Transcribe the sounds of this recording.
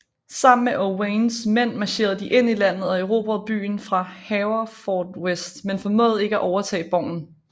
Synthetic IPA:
sɑ̈m̰n̩meʔowensmen̰mɑ̈ɕe̝̰ːɐð̞̩ˠd̥iʔe̝n̰ilæn̰ð̞̩ˠɒeʊʁo̝ːb̥ɒb̥y̰ːn̩fʁɑ̈hɛʊɐfɒːd̥wesd̥menfɒ̽mɔ̰ð̩ˠe̝ɡ̥əæʔɒʊɐt͡sʰɛ̰ːb̥ɒʊ̰n̩

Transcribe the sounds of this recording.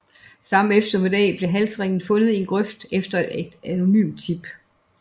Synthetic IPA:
sɑ̈m̰defd̥ɐme̝d̥ɛ̰ːb̥le̝ɦælsʁeŋ̰n̩fɔ̽nð̩ˠe̝nɡ̥ʁœfd̥efd̥ɐed̥æno̝ny̰ːmd̥t͡sʰib̥

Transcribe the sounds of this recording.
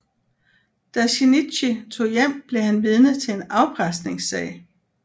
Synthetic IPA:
d̥æɕinid̥ɕit͡sʰo̝̰ːjem̰b̥le̝hænʋiðˠnət͡sʰe̝enɑ̈ʊb̥ʁɑsd̥ne̝ŋsɛɪ

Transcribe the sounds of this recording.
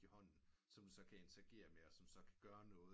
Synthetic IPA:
ihɒ̽n̰n̩sɒ̽md̥usɒ̽kʰæe̝nt͡sʰeæɡ̥e̝̰ːɐmeɒ̽sɒ̽msɒ̽kʰæ̥ɡ̥ɶːɐnɔ̽ːð̩ˠ

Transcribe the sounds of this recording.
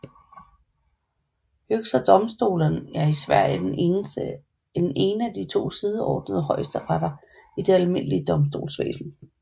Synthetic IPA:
høɡ̥sɐd̥ɒ̽msd̥o̝̰ːlɐnæɐisʋæɐ̰jə | ne̝ːnəæd̥it͡sʰo̝̰ːsið̞ˠəɒ̰ːd̥nəðˠəɦɒ̽ɪəsd̥əʁɑɾɐ | id̥e̝ælme̝n̰əliəd̥ɒ̽msd̥o̝̰ːlsʋḛːsn̩

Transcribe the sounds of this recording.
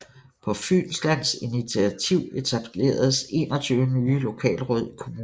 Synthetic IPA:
pʰɒ̽fy̰ːnslæn̰sinit͡sʰiæt͡sʰiʊ̰e̝t͡sʰæb̥ʰle̝̰ːɐðˠəse̝ːnɒt͡sʰyːʊənyːlo̝kʰɛ̰ːlʁɔð̞̰ˠikʰo̝muː

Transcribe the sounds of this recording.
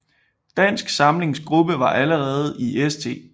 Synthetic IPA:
d̥æn̰sɡ̥sɑ̈mle̝ŋsɡ̥ʁub̥əʋɑ̈ʔæləʁɛːð̞̩ˠiest͡sʰe̝̰ː

